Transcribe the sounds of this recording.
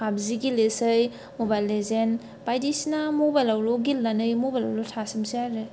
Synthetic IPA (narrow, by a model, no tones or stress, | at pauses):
kʰabziɡilesɯj | mobajlːezen | pajdisinamobajlawɾɔɡilːanɯjmobala̰wɾɔtʰasimsiaɾɯj